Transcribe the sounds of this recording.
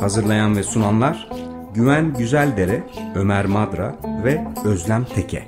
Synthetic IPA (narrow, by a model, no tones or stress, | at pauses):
hazɯɾlˠajanvɛsunanlˠaɾ̥ | ɟyvænɟyzælʲd̪eɾɛø̞mæɾmad̪ɾa̰vɛø̞zlʲæmt̪ʰecʰɛ̰